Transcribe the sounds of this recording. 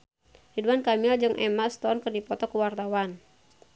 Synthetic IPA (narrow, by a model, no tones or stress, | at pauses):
hiduankamild͡ʒɨŋʔɛmast̪ɔnkɨrdipɔt̪ɔkuwart̪awan